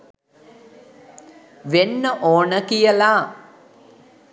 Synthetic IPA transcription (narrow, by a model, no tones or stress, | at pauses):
ʋenːɐʔoːɳɐkijɐlaː